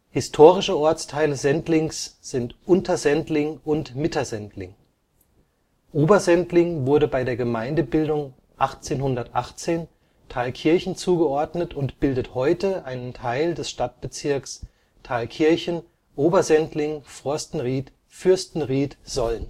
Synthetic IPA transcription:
hɪstʰoːʁɪʃəɔɐt͡stʰaɪləzɛntlɪŋsz̥ɪntʔʊntɐzɛntlɪŋʊntmɪtɐzɛntlɪ̰ŋ | ʔoːbɐzɛntlɪŋvʊɐdəbaɪdeːɐɡəmaɪndəbɪldʊŋ | ʔaχt͡seːnɦʊndɐtʔa̰χt͡seːn | tʰaːlkʰɪɐçn̩t͡suːɡəʔɔɐdnətʊntb̥ɪldəthɔʏtəʔaɪnəntʰaɪldɛsʃtat̚b̥ət͡sɪɐks | tʰaɪlkʰɪɐçn̩ | ʔoːbɐzɛntlɪŋfʁ̥ɔɐstn̩ʁiːt | fʏɐstn̩ʁiːtz̥ɔlən

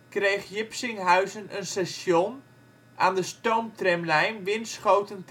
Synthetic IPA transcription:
krejxjɪpsɪŋɦœɥzənənsasjon | aːndəstowmtrɛmlɛjnʋɪnsχowtənt

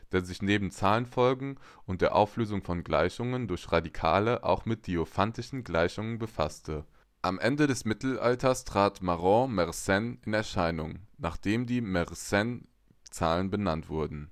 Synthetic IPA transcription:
d̥eːɐzɪçneːbm̩t͡saːlənfɔlɡŋ̩ | ʔʊnt̚d̥eːɐʔa̰ʊfløːzʊŋfɔnɡla̰ɪçʊŋəndʊɐçʁadikʰa̰ːləʔa̰ʊxmɪt̚d̥iofantɪʃn̩ɡlaɪçʊŋənbəfa̰stʰə | ʔamʔɛndədɛsmɪtl̩ʔa̰ltɐstʁ̥aːtmaʁɔ̃mɛʁsɛnɪnɛɐʃaɪnʊŋnaːχd̥eːmdiːmɛʁsɛn | t͡saːlənbənantv̥ʊɐdn̩

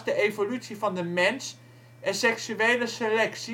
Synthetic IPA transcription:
sd̥əʔefolysifɒndəmɛns | æsɛksyɛːləselɛksi

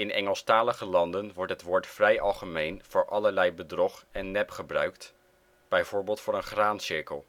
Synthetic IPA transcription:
ɪnɛ̰ŋəlˠstaːləχəlɑndənʋɔɹtɦətʋʊːɹtfrɛjɑlˠχəmejnv̥ʊːɹʔɑləɹlɛjbədrɔχɛnːɛpχəbrœ̰ɥkt | b̥ɛjv̥ʊːɹbeːlˠtfʊːɹənχraːnsɪɹkəlˠ

